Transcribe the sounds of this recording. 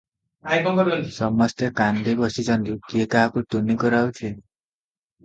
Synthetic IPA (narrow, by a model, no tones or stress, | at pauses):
ajkɔŋkɔɾlisɔmɔst̪ekand̪ʱibɔsit͡ʃɔnt̪ikekaɦakuʈ̪unikɔɾawt͡ʃʰe